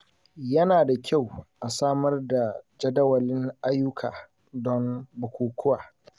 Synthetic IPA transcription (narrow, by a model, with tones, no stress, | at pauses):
jɐ˦naː˨da˨kʲʰa˦˨wʔa˨saː˦mɐ˦rda˨d͡ʒɐ˦dɐ˦wɐ˨lɪ˦ŋʔa˦jːʊ˦kʰaː˨ | dɔ˦mbʊ˨kʷuː˨kʷʰʊ˦waː˨